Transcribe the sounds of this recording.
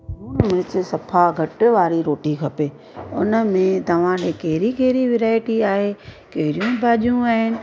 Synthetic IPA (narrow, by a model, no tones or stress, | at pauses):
ɦuːnmɪɾɪt͡ʃɪsɐpʰaɡʱɐʈʋaːɾiɾoːʈikʰɐpeː | ʊ̰nəmẽt̪ɐʋ̤ãɗekɐɦɪɾikeɦɪɾiʋɪɾaːɪʈiaːɦekɐɦɪɾijũbʱaːʄjũaːɦɪnɪ̆